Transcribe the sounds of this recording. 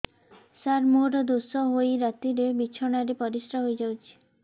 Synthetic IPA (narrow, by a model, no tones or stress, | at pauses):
saɾmuʈɔd̪osɔɦojɾat̪iɾebit͡ʃʰɔɽ̃aɾepɔɾisɾaɦojd͡ʒawt͡ʃʰi̥